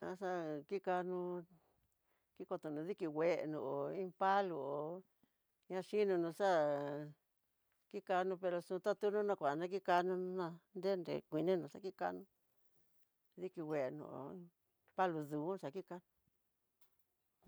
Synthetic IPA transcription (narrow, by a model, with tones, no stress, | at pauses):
ã̰˧˦ʂa˦ki˦ka˧nũ˧ | ki˦ko˧t̪u˧nũ˨˧ði˦ki˧wʷe˧ʔḛ˧nṵ̃˧˨ʔo˨ĩ˦pa˦lu˧o˨ | ɲã˦˧ʃi˦nũ˧nũ˧ʂa˦ | ki˦ka˧nũ˧pe˧ɾo˧sũ˧t̪a˦t̪u˦nũ˦nã˧kʷa˨nã˦˧k̬i˦ka˧nũ˧n˧˦nã˧nd̪e˦nd̪ḛ˨kʷi˧nẽ˦nũ˧ʂa̰˦ki˦ka̰˧nũ˧ | ði˦ki˧we˧˨ʔe˧nṵ̃˧˨o̰˨ĩ˦ | pa˦lu˧ðuː˨˦˧ʂa˨ki˦ka˧nũ˧